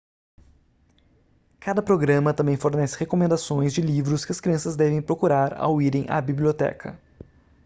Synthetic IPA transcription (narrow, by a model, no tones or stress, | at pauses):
kad̪ɐpɾoɡɾɐ̃mɐt̪ɐ̃mbẽj̃foɾnɛsɪhekomẽnd̪asõj̃zd͡ʒɪlivɾʊskɪɐskɾiɐ̃sɐzd̪ɛvẽj̃pɾokuɾaɾa̰wiɾẽj̃ʔɐ̰biblʲiot̪ɛ̰kʰɐ̰